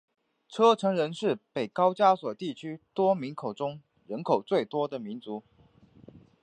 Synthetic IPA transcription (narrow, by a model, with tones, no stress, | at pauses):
ʈ͡ʂʰɤ˥ʈ͡ʂʰɤ˧˥ŋɻə˧˥nʂɻ̩˥˩pe˨˩ɪkɑ˥ʊt͡ɕja˥swɔ˨˩t̪i˥˨t͡ɕʰy˥t̪wɔ˥mi˧˦nkʰo˨˩ʊʈ͡ʂʊ˥ŋ | ɻə˧˦nkʰo˨˩ʊt͡swe˥˩ɪt̪wɔ˥d̪ə˨mi˧˦˥nt͡su˧˥˦